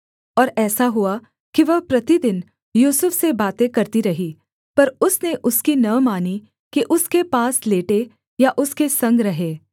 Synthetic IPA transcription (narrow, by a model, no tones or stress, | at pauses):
ɔːɾɛːsaɦʊa | kiʋɐɦpɾɐt̪id̪ɪn | juːsəfsebaːt̪ẽkɐɾt̪iɾɐɦi | pɐɾʊsneʔʊskinɐmaːni | kiʔʊskepaːsleːʈe | jaʔʊskesɐ̃ŋɡɾɐɦeː